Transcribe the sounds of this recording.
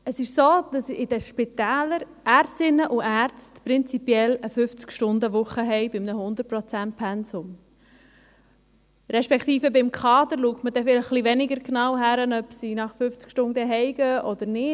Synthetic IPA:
əsɪʃsoːd̪̥ɑsɪd̥əʃpɪt̪æːləɾ | ʔæɾsɪnːəʔuʔæːɾt͡stpɾɪnt͡sipiɛləfʏft͡skʃtʊnd̪əʋʊχəɦɛɪbɪmnəhʊnd̪ət̚prɔt͡sænt̚pʰɛnsʊm | ɾɛʃpɛkt̪iːfəbɪmkʰɑːd̪əɾluktmədɛfɪlχliʋɛnɪɡəɾknɑːwɦæɾənœbsinɑχfʏft͡skʃtʊnd̪əɦɛɪɡəʔɔd̪əɾnɪː

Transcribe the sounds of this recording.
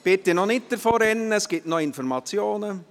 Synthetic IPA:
b̥ɪt̪ːɪnɔnɪt̚d̥̪əɾfɔɾɛnːəsɡ̥ɪtnɔɪnfɔɾmɑt͡sjoːnə

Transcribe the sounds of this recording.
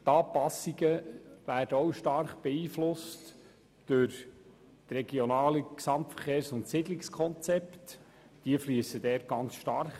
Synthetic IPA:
t̪ɑːpɑsːiɡəvæːɾd̥əɔwʃtɑrχb̥ɛiːflʊst | d̥øɾ | t̪rɛɡjɔnɑːləksɑmtfəχeːɾsʊntsɪdlɪkskʰɔnt͡sɛpt | d̥iəfliəsəd̥ɛːt̚ɡ̥ɑnt͡sʃtɑrχ

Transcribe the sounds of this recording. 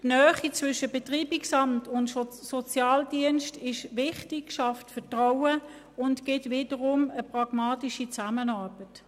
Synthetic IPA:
tnœːχit͡svʏʃəbetʁiːbiksɑmtʊntsɔt͡sjɑːldiənʃtɪʃʋɪχtɪkʃɑftfətʁaʊə | ʊntkɪtvɪːdəʁʊməpʁɑɡ̥mɑːtiʃit͡samənɑːb̥ət

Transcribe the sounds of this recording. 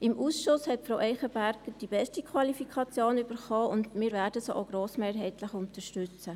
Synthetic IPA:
ɪmʔuːsʃʊshɛtfɾoʊʔɛɪχəbæɾɡ̥əd̥ibɛstikʰwɑlifikʰɑt͡sjoːnyb̥əɾχoːʊndmɪːɾvæːɾdəsoʔoɡ̥ɾoːsmeːɾɦɛɪtləχʊntəʃtʏt͡sə

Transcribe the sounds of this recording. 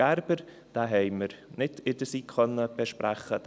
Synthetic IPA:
ɛɾbəɾ | d̥aːɦeɪməɾnɪtɪdəsiːkʰχœnəb̥eʃpɾɛχəd

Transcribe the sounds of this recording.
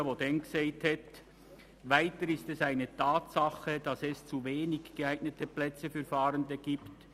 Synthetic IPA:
ʋodɛnɡseːthɛt | vaɪtəɾɪstɛsaɪnətʰaːtsɑχəd̥ɑsɛst͡suveːnɪɡɡ̥eaɪɡ̥nətəplɛt͡səfyːfɑːɾəndəɡ̥iːpt

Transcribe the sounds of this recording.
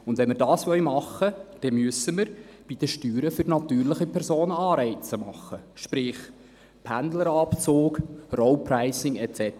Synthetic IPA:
ʊndʋɛnmɪrdɑːsʋœlmɑχːəd̥ɛmyəsəməɾ | b̥id̥̪əʃtyːɾəfʏrnɑt̪yːɾlɪχipʰɛɾsoːnəɑːɾɛɪt͡səmɑχːəʃpɾɪχ | pʰændləɾɑpt͡soːkrɔwpɾæɪsɪŋɛt͡sɛt

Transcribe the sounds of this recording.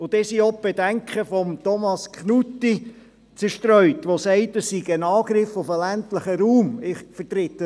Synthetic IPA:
ʊd̥̪ɛːsiɔp̚b̥ɛd̥æŋkχəfɔmt̪ɔmɑskχnutːi | t͡səɾʃtɾœʏtʋosɛɪtəssiɡənɑːɡɾɪfʊfəlæntləχəɾuːmɪχfəɾtɾɪt̪ə

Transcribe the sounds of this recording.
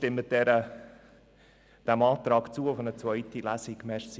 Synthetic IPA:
tɪmət̚dɛɾə | d̪̥æmɑːt̪ɾɑːkt͡suːʊfənət͡sʋœʏt̪ilæsɪɡ̥mɛs

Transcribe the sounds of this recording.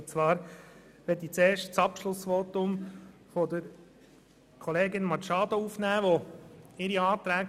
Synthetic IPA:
t͡svɑːɾ | ʋɛtit͡seːʃtt͡sɑpʃlʊsʋoːt̪ʊm | fɔd̪əɾ | kʰɔleːɡɪnmɑʃɑːd̪ouːfnæːʋoɪɾiɑːt̪ɾæːɡ

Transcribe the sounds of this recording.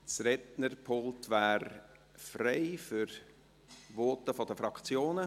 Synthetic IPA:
t͡sɾɛtnərpʰolˠtʋæːɾ | fɾeɪfyɾ | ʋɔːtəfɔd̥əfɾɑkt͡sjoːnə

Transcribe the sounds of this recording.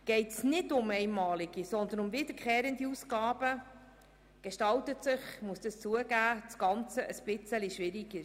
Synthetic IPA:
ɡ̥ɛɪtsnɪdʊmɛɪnmɑːliɡ̥isɔnd̪ənʊmvɪd̪əɾkʰχeːɾəndiusɡɑːb̥ə | ɡ̥eʃtɑltətsɪχmuəsd̥̪əst͡suəɡæːt͡sɡ̥ɑnt͡səʔəsb̥ɪt͡səliʃʋɪɾiɡə

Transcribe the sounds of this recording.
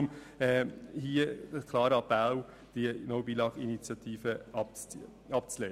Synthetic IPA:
m | ɛhiəəskʰlɑːɾəɑpæl | d̥iənɔʊbilɑɡinit͡sjɑt̪ʰiːfə | ɑp̚t͡sleː

